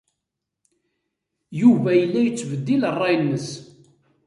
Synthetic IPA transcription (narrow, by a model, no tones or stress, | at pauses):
juvæjəlːæjət͡sːvəd̪ːilərˤːɑjənːəs